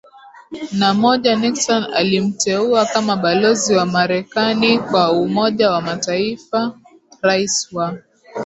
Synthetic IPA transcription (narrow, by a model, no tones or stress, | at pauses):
namɔʄaniksɔna̰lim̩tɛuakamaɓalɔziwamaɾɛkanikwaumɔʄawamataifa | ɾaiswa